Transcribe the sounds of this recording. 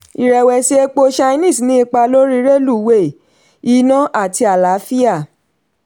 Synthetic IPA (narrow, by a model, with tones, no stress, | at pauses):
i˨ɾɛ˨wɛ˨ʃe˧e˦k͡po˧ʃa˧i˦nĩ˦˨snĩ˦i˧k͡pa˧lo˦ɾi˦ɾe˦lu˦˨we˦˨ | i˨˧˦nɔ̃˦ʔa˦˨ti˧a˨la˨˦fi˦a˦˨